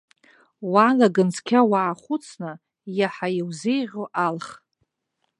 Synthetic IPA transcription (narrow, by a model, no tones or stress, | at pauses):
walaɡɨnt͡sʰkʲʰawaʕːχʷʊt͡sʰnɨ | jaħajiwzejʁʲoʔalχ